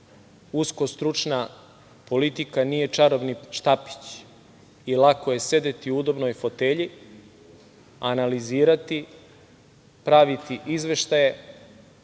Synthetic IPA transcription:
usko̞st̪ɾut͡ʃna | po̞lit̪ikanije̞t͡ʃaɾobniʃt̪api̥t͡ɕ | ilˠako̞je̞se̞d̪et̪iuud̪o̞bnojfo̞t̪eʎi | analiziːɾat̪i | pɾaʋit̪iʔizʋe̞ʃt̪aje̞

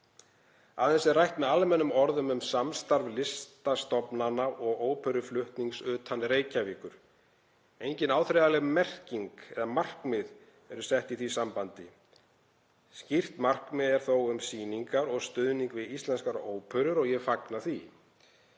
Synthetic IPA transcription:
aðɛnsɛrajht̪mɛðalmɛnːʏmɔɾðʏmʏmsamst̪aɾvlɪst̪ast̪ɔpnanaʔɔɣoːwpʰœɾʏflʏht̪niŋksʏːt̪ʰanɾeːjcaviːkʏɾ̥ | ejɲcɪnaːwθɾejðalɛɣmɛr̥ciŋkɛðamar̥kmɪð | ɛɾʏsɛht̪iθisampant̪ɪ | scir̥t̪mar̥kmɪðɛɾ̥θowʏmsiːniŋkaɾɔɣst̪ʏðniŋkvɪðist̪lɛnskaɾoːwpʰœɾʏɾɔɣjɛfaknaθi

